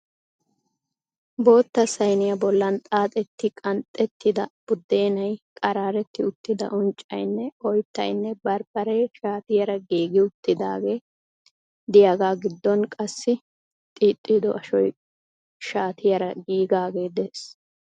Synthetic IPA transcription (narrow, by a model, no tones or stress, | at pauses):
bo̞ːt̪ːɐsɐjnɪjɐbɔlːɐnt̪ʼaːt̪ʼɛt̪ːɪkʼɐnt̪ʼːɛt̪ːɪd̪ɐb̥ʊd̪ːeːnɐjkʼɐɾaːɾɛt̪ːɪʊt̪ːɪd̪ɐ̰ʔʊnt͡ʃʼːɐ̰jnːɛɔjt̪ːɐ̰jnːɛbɐɾb̥ɐɾɛʃaːt̪ɪjɐɾɐɡiːɡɪʊt̪ːɪd̪a̰ːɡe̞ː | d̪ɪjaːɡaːɡɪd̪ːɔnkʼɐsːɪ | t̪ʼiːt̪ʼːɪd̪ɔʔɐʃɔj | ʃaːt̪ɪjɐɾɐɡiːɡaːɡe̞ːd̪eːs